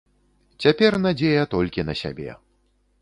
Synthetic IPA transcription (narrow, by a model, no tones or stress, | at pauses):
t͡sʲapʲɛrnad͡zʲejɐt̪ɔlʲkʲinɐsʲa̰bʲɛ̰